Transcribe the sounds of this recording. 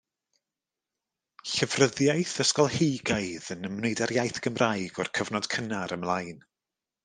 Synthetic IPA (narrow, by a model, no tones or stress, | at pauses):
ɬəvrəðjajθəskɔlˠhejɡaɨðənəmnejdaɾjajθɡ̥əmrʔajɡɔ̰rkʰəvnɔd̥kʰənaɾəmlˠajn